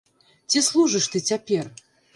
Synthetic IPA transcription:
t͡sʲislˠuʐɨʂt̪ɨt͡sʲapʲɛr

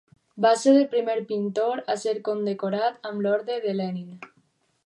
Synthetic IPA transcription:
baseɾepɾimeɾpint̪oɾaseɾkond̪ekoɾat̪amloɾðeðelenin

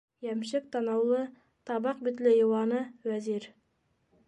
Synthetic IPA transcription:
jæmʃɘk̚t̪ɑnɑwlˠɤ | t̪ɑβɑq̚bit̪lɘjɤ̆wɑnɤwæziɾ

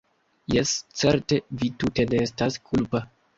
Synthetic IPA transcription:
jest͡seɾtevitute̞ne̞estaskʰulpa

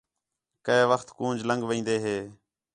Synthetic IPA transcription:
kəeːʋəxt̪kũːnd͡ʒləŋɡʋĩːnd̪eːɦeː

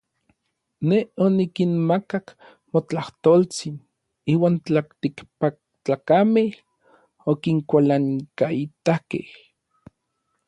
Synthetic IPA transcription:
neonikinmakak | mot͡ɬaht̪oːlt͡sin | iːwaːnt͡ɬakt̪ikpak̚t͡ɬakamel | okiŋkʷalaŋkait̪akḛh

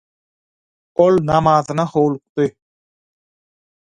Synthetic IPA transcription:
olˠnɑmɑːðɯnɑhowlˠuq̚t̪ɯ

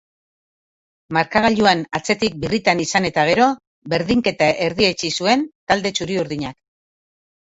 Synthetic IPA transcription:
maɾkaɣaʎuanat͡se̞t̪ik̚birit̪anisane̞t̪aɣ̞e̞ɾo̞ | be̞ɾðiŋke̞t̪aʔe̞ɾðie̞t͡ʃisue̞nt̪ald̪e̞t͡ʃuɾiuɾðiɲak

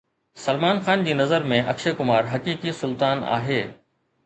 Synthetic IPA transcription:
sɐlmaːnxaːnd͡ʑiːnɐzəɾmẽʔɐkʃekʊmaːɾɦɐkiːkisʊlt̪aːna̰ːɦeː

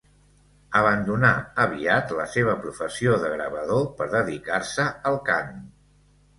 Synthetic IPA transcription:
əβənd̪unaəβ̞iat̪ləseβ̞əpɾufəsioðəɣɾəβəðopəɾðəðikarsəəlˠkan

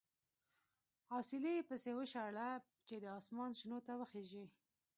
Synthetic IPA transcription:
ɑsilepəsewəʃaɽa | t͡ʃed̪əɑsmɑnʃnot̪awəxeʒi

